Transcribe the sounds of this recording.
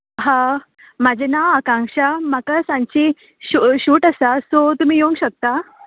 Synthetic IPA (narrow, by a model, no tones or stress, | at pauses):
ɦã | mad͡ʑʱenaəkãŋkʂamakasãɲt͡ɕi | ɕuɕuːʈasasot̪um̤iːjoũŋɡɕək̚t̪a